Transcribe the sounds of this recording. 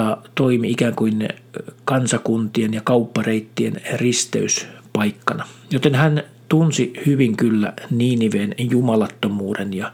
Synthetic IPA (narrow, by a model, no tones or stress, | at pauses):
ɑt̪oimiikæːŋkuinkɑnsɑkunt̪ienjɑkɑupːɑreit̪ːienrist̪ḛyspɑikːɑnɑjot̪enhæn | t̪unsihyʋiŋkylːæ̰niːniʋeːnjumɑlɑt̪ːomuːdenjɑ